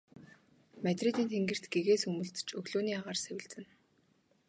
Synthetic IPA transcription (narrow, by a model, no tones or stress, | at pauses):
mæt̪ʲrit̪iːnt̪ʰeŋɡɘ̆r̥t̪ɡeɣeːsɵmɵ̆ɮt̪t͡ɕɵɣɮoːniːaʁaːrsæwʲɪ̆ɮt͡sɘ̆n